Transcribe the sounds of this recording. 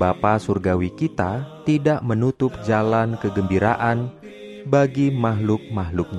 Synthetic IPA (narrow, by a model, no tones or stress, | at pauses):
bapasurɡawikit̪at̪idaʔmənut̪ʊp̚d͡ʒalankəɡəmbiɾaʔan | baɡimaɦlʊk̚maɦlʊk̚ɲa